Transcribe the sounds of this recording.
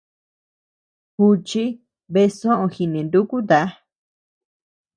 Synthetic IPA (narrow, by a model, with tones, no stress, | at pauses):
xu˧t͡ʃi˦ | βe˧sõ˦ʔõ˧xi˧nẽ˨nd̪u˦ku˦d̪a˨˦